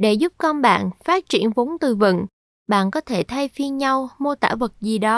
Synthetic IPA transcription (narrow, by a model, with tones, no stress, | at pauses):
ɗe˧˩zʊ˦˥p̚kɔ˧nɓa̰ː˧˨nfaː˦˥t̚t͡ɕi˧˩ənvo˨˦nt̪ɨ˨˩vɨ̰˧˨ŋ | ɓa̰ː˧˨nkɔ˨˦t̪ʰe˧˩t̪ʰa˧jfi˧ənɲa˧wmo˧t̪a̰ː˧˩və˨˩t̚zi˨˩ɗɔ˨˦